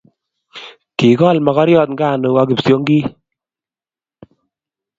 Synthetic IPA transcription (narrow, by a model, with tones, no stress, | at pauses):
ki˨kɔ˦˨lma˨kɔ˦ɾjɔ˦˨t̪ŋɡa˦˨nu˧a˦k̬i˨psjo˦ŋɡi˦